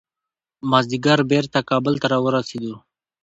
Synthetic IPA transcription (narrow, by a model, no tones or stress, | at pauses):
mazd̪iɡaɾbeɾt̪akɑbəlt̪aɾɑwəɾased̪u